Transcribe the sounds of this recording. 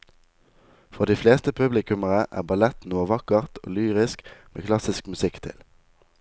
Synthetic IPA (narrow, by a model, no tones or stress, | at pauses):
fɔʁd̪iːfleːst̪əpʰʉblɪkʉməʁəʔæ̰ːʁbɑlɛt̪nuːʋɑkəʁt̪ʰo̰ːlyːʁɪskmʔḛːkʰlɑsɪskmʉsɪkt̪ʰɪ̰l